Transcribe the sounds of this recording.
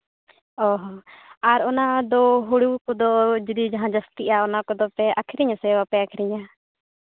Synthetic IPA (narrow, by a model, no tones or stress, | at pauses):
ɔɦɔaɾɔnad̪ɔɦuɽukɔd̪ɔd͡ʒid̪id͡ʒaɦãd͡ʒəst̪iʔaɔnakɔd̪ɔpɛʔakʰiɾiɲasɛwapɛakʰiɾiɲa